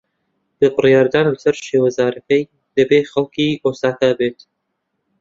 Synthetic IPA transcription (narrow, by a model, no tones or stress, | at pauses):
b̥ɨbɨrjɑːɾd̪ɑːnɨlsɐɾʃeːwɐzɑːɾɐkɐj | d̪̥ɐbeːxɐlˠkiʔoːsaːkabeːt̪